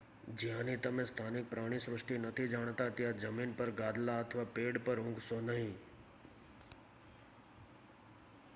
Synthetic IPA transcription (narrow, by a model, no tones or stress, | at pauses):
d͡ʒɪɦãnĩt̪əmẽst̪ʰaːnɪk̚pɾaːɽ̃isɾʊʂʈinət̪ʰid͡ʒaːɽ̃t̪at̪ɪjad͡ʒəmiːnpəɾɡaːd̪laət̪ʰʋapeːɽpəɾɦʊ̃ŋɡsonəɦĩ